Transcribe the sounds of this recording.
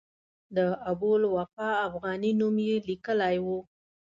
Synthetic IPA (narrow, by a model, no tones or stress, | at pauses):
d̪əabulwafɑːfɣɑninumjelikəlajwu